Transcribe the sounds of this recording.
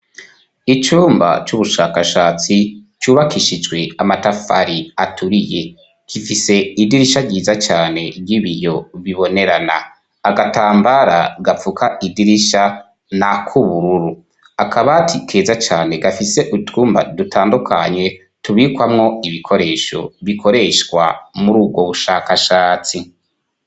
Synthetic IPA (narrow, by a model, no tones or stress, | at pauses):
it͡ʃuːmba̰t͡ʃuβuʃaːkaʃaːt͡sit͡ʃuːβakiʃid͡ʒɡwe̞amatafaɾiatʰuɾije̞ | kifise̞idiɾiʃaɾɟiːzat͡ʃaːne̞ɾɟiβijo̞βiβo̞ne̞ɾana̰ː | ɡataːmbaɾa̰ɡafukʰaʔidiɾiʃa | nakʰuβuɾuɾu | akʰaβatʰikʰe̞ːzat͡ʃaːne̞ɡafise̞ʔutuːmba̰dutʰaːndukʰa̰ɲe̞ | tuβikwamŋo̞iβikʰo̞ɾe̞ːʃo̞̰βikʰo̞ɾe̞ʃkwa̰muɾuːb̚ɡwo̞βuʃaːkaʃaːt͡si